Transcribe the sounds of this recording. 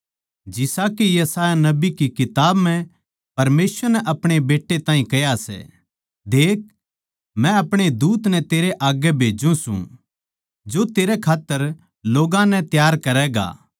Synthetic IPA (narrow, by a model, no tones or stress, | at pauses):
d͡ʒɪsakijɐsaːjanɐbikikɪt̪aːbmɛ̃ | pɐɾmeːswəɾnɛʔɐpɽ̃ebeːʈːet̪ãːĩkɐjasɛ̰ | d̪eːk̚ | mɛ̃ɐpɽ̃ed̪uːt̪nɛt̪eːɾeʔaːɡɛbʱeːd͡ʒũsṵ̃ | d͡ʒot̪eːɾɛkʰaːt̪ːəɾ | loːɡãnɛ̃t̪jaːɾkɐɾɛːɡa̰ː